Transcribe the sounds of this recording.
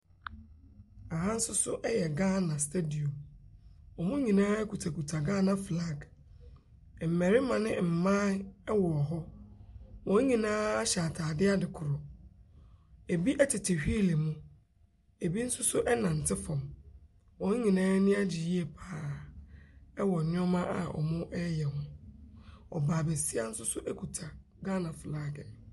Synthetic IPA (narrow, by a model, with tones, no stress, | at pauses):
a˨ɦã˦n̩˦sʊ˦sʊ˦ʔɛ˦jɛ˨ɡãː˦˨nã˨stʰe˦di˨õ˨m | ɔ˨mʊ̃˦ɲĩ˨nãː˦kʰu˨tʰa˨kʰu˨tʰa˨ɡãː˦nã˨fla˦ɡ | m̩˨mɛ̃˨ɾɪ˦mã˨nɪ̃˦m̩˨mãː˦wɔ˨ɔ˨ɦɔ˦ | wɔ̃˨˦ɲĩ˨nãː˦a˦ɕa˨tʰaː˨dɪ˦a˦dɪ˨kʰʊ˨ɾʊ˨ | e˨bi˦ʔɛ˦tʰɪ˨tʰɪ˨hᶣi˦˨le˨mũ˦ | e˨bi˦n̩˦sʊ˦sʊ˦ʔɛ˦nã˨n̩˨tʰɪ˦fɔ̃˨m | wɔ̃˨˦ɲĩ˨nãː˦nĩ˦a˦d͡ʑi˨ji˦e˨pʰaː˨ | ɛ˦wɔ˨nɪ̃˦ɔ˦mã˦ʔa̰˨ʔɔ̰˨mʊ̃˦ʔɛ˦jɛ˨hʊ̃˦ | ɔ̰˨baː˨be˨si˦a˦n̩˦sʊ˦sʊ˦ʔɛ˦kʰu˨tʰa˨ | ɡa˦nã˨flaː˦ɡɛ˨